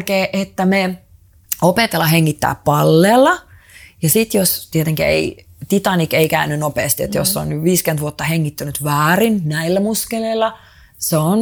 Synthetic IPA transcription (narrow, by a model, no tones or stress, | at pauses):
keːʔet̪ːæme | opet̪elːɑɦeŋːit̪ːæ̰ːppɑlːeːlːɑ | jɑsit̪jost̪iet̪eŋkæḛi | t̪it̪ɑnikeikæynːynopeːst̪iḛt̪josːeo̰nnyʋʋiːskent̪ʋuot̪ːɑheŋːit̪ːynyt̪ʋæːrinnæilːæmuskelelːɑ | seon